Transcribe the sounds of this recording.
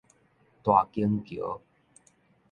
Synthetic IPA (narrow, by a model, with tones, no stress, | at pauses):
t̪wa˨kiə˦ŋki˨o̰˦